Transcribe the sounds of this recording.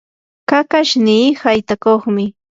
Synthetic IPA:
kakaʃniːhajt̪akoχmɪ

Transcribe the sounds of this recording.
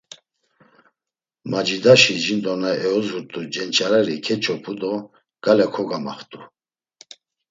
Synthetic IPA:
mad͡ʒid̪aʃiʒind̪ɔnaɛɔzuɾt̪ʼud͡ʒɛnt͡ʃʰaɾaɾikʰɛt͡ʃʰɔpʰud̪ɔ | ɡ̥alɛkʰɔɡamaχt̪ʼu

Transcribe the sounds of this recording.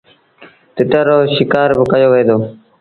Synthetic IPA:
t̪ɪʈəːɾoːʃɪkaːɾbɪkəjoːʋeːd̪oː

